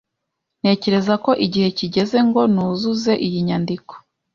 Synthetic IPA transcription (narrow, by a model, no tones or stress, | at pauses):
n̥e̞ːce̞ɾe̞zako̞ʔiɟihe̞ciɟe̞ze̞ŋɡo̞nuːzuze̞ʔijiɲandiko̥